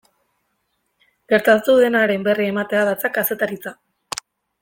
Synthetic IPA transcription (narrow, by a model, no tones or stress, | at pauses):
ɡ̥e̞ɾt̪at͡suðenaɾe̞mbe̞riemat̪e̞aðat͡sakase̞t̪aɾit͡sa